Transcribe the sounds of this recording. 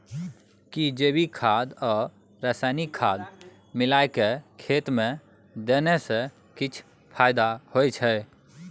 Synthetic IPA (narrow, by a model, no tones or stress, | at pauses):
kid͡ʒeːbikʰaːd̪ɔː | ɾaːsaːnikʰːaːd̪ | mɪlaːekekʰeːt̪mẽ | d̪eːnese | kɪt͡ʃʰ | pʰaːɪd̪ahojt͡ʃʰɛ